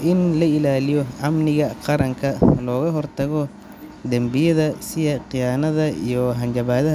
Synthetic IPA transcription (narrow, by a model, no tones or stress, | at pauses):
ʔɪnlɐɪlaːlɪjɔʔɐmnɪɣɐqɑɾɐŋkʰɐlɔːɣɐɦɔrt̪ʰɐɣɔ | d̪ɐmbɪjɐðɐsɪjɐqɪjaːnɐðɐḭjɔɦɐnt͡ʃɐβaːðɐ